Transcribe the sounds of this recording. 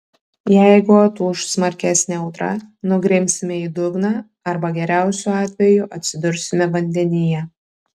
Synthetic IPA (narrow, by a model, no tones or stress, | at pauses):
jɛɪɡʊɐt̪uːʊʃsmɐɾʲkʲæsʲnʲɛɒʊt̪ɾɐ̰nʊɡɾʲɪmʲsʲɪmʲɛiːd̪ʊɡnɑː | ɐɾbɐɡʲɛɾʲæˑʊsʲuɑːt̪ʲʋʲɛjʊʔɐt̪ʲsʲɪd̪ʊɾʲsʲɪmʲɛʋɐnʲd̪ʲɛnʲɪjɛ